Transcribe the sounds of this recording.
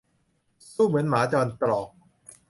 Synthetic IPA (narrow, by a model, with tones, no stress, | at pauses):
suː˥˩mɯ˩˦ənmaː˨˦˥t͡ɕɔː˧nt̪lɔː˨˩k̚